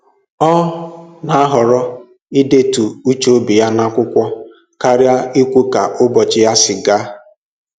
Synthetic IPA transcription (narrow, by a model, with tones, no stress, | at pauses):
ɔ˦na˦a˦ɦɔ˨ɾɔ˦ | i˦de˦tu˨u˦t͡ʃo˦bi˨ja˦na˦kʷʊ˦kʷɔ˦ | ka˦ɾja˦i˦kʷu˦ka˨ʔʊ˦bɔ˨t͡ʃɪ˦ja˦sɪ˨ɡa˦